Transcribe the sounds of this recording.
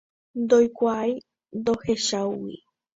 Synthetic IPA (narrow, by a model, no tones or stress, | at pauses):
nd̪ojkʷaaj | nd̪oheʃawwḭ